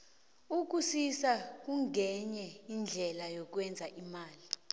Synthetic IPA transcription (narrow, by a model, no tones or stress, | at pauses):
uk̬usisak̬ʼuŋʱɛɲɛind͡ɮʱɛlajok̬wɛnd͡zʱaʔimaːli